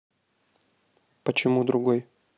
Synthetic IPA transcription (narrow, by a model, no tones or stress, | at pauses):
pət͡ɕɪmud̪ɾʊɡoj